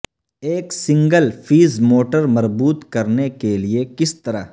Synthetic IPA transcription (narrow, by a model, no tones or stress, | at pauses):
eːksɪ̃ŋɡəlfʰiːzmoːʈəɾmɐɾbuːt̪kɐɾnekeliekɪst̪ɐɾa